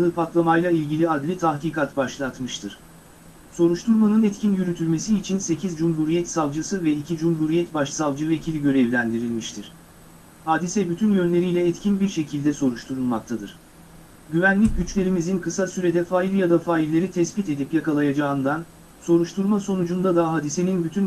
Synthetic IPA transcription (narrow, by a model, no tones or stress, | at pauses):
ɯːpʰat̪lˠamajlˠailʲɟilʲiad̪lʲit̪ʰahkiːkʰat̪baʃlˠat̪mɯʃt̪ʰɯɾ̥ | so̞ɾuʃt̪ʰuɾmanɯnɛt̪cʰinjyɾyt̪ʰylʲme̞siːt͡ʃʰinse̞cʰizd͡ʒumɦuɾijɛt̪savˠd͡ʒɯsɯvɛicʰid͡ʒumɦuɾijɛt̪baʃsavˠd͡ʒɯve̞cʰilʲiɟø̞ɾɛvlʲænd̪iɾilʲmiʃt̪ʰiɾ̥ | haːd̪isɛbyt̪ʰynjø̞nlʲe̞ɾijlʲɛːt̪cʰinbiɾʃe̞cʰilʲd̪ɛso̞ɾuʃt̪ʰuɾulˠmak̚t̪ʰad̪ɯɾ̥ | ɟyvænlʲic̚ɟyt͡ʃlʲe̞ɾimizinkʰɯsasyɾe̞d̪ɛfaːilʲjad̪afaːilʲːe̞ɾit̪ʰɛsbit̪e̞d̪ipjakalˠajad͡ʒaɯnd̪an | so̞ɾuʃt̪ʰuɾmaso̞nud͡ʒund̪ad̪aɦaːd̪ise̞ninbyt̪ʰyn